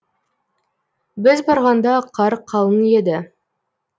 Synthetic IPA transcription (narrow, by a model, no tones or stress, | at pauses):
bɪzbɑɾʁɑnd̪ɑqʰɑɾqʰːɑlˠənje̞d̪ɪ